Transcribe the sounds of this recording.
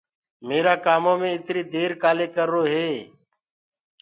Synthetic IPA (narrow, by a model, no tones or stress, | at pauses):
meːɾaːkaːmõːmẽːɪt̪ɾiːd̪eːɾkaːleːkəɾːoːɦeː